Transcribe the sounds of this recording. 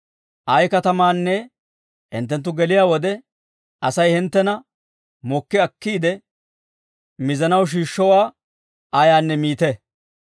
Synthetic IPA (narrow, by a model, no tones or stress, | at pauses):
ʔɐjkɐt̪ɐmaːnːɛ | hɪ̰nt̪ːɛnt̪ːʊɡɛlɪjaːwɔd̪ɛ | ʔɐsɐjhɪnt̪ːɛnɐ | mɔkːɪɐkːiːd̪ɛ | mɪzɐnɐwʃ̬iːʃːɔwaː | ʔɐjaːnːɛmiːt̪ɛ